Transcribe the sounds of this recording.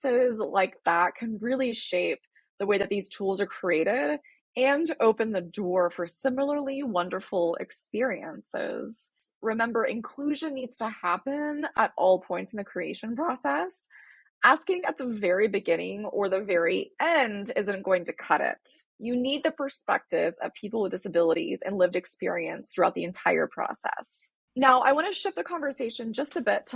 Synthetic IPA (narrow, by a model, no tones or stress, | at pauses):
sɪzla̰ɪk̚ðət̚kʰɨ̃nɹɪlˠiʃeɪp̚ | ðəweɪðɨt̪̚ðiz̥tʰulˠzə˞kʰɹ̥ieɪɾɪɾ | ɨ̃noʊpɨ̃nðɨdɔɹfə˞sɪ̃ml̩ˠə˞lˠiwʌ̃ndə˞fl̩ˠɪ̰kspɪɹiɨ̰̃nsɪ̰z̥ɹɨmɛ̃mbə˞ʔɨ̰̃nkʰl̥ʉʒɨ̃nːidz̥tʰəhæpɨ̃nəɾʔɔlˠpʰɔ̃ɪ̃ntsn̩ðɨkʰɹ̥ieɪʃɨ̃npʰɹ̥ɔsɛs | ʔæskɪ̃ŋɨt̪̚ðəvɛɹibɨɡɪ̃nɪ̃ŋə˞ðɨvɛɹiʔɛ̃ndɪzɨ̃nɡ̥oʊɪ̃ŋtʰɨkʰʌɾɪ̰t̚ | jɨnid̪̚ðɨpʰə˞spɛ̰k̚tɪvzʌ̰v̥pʰipl̩ˠwəðdɪsɨbɪlˠəɾḭzɨ̰̃nlɪvdɨkspɪɹiɨ̃nsθɹʉaʊt̪̚ðiɨ̃ntʰaɪə̰˞pʰɹ̥ɔ̰sɛ̰s | naʊʔa̰ɪwɑ̃nɨʃɪp̚ðɨkʰɑ̃ɱvə˞seɪʃɨ̃nd͡ʒʌstɨbɪtʰ